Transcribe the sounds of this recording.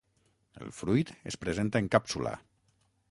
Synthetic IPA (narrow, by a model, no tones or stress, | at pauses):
ə̰lˠfɾujt̪əspɾəzent̪aːŋkapsula̰